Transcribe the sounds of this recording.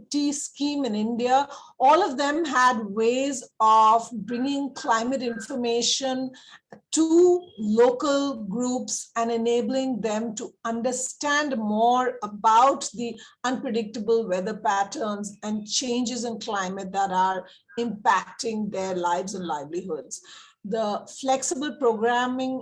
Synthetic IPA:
ʈiskĩːmɪ̃nɪ̃nɖiaɔːlɔʋd̪ɛ̃mɦædweːzɔvbɾɪ̃ŋɪ̃ŋkʰlãɪ̃məʈɪ̃nfəɾmeːʃə̃n | ʈuloːkəlɡɾuːpsɛ̃nɛneːbəlɪ̃ŋd̪ɛ̃mʈuʌ̃nɖəɾsʈæ̃nɖmɔːɾəbaʊʈd̪iʌ̃npɾəɖɪk̚ʈəbəlwɛd̪əpæʈəːnzæ̃nt͡ʃẽːnd͡ʒɪzɪ̃nklãɪmət̚d̪æʈaːɾ | ɪ̃mpæk̚ʈɪ̃ŋd̪eɾlaɪʋzə̃nlaɪbliɦʊdz̥ | d̪əflɛksɪbəlpɾoːɡɾæmɪ̃ŋ

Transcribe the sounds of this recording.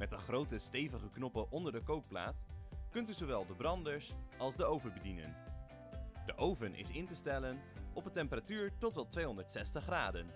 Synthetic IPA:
mɛtəχrowtəstejvəχəknɔpəʔɔndəɹdəkowppla̰ːtkɵntyzowʋɛlˠdəbrɑndəɹsɑlˠzdəowvəbədinə̰n | dəʔowvənʔɪ̰sɪntəstɛlənʔɔpətɛmpəratyːɹtɔtʋɑtʋejɦɔndəɹtsɛstəχraːdən

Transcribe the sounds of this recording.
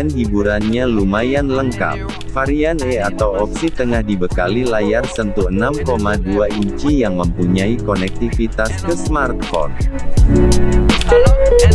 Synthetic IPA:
anɦibuɾanɲalumajanləŋka̰p̚ | faɾianɛat̪awɔp̚sit̪əŋahdibəkalilajarsənt̪uənamkomaduaiɲt͡ʃijaŋməmpuɲaikonɛk̚t̪ifit̪askəsmart̪fɔ̰r

